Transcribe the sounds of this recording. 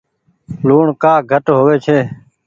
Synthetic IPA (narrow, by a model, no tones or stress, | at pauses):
luːɳkaːɡʱəʈɦoːʋeːt͡ʃʰeː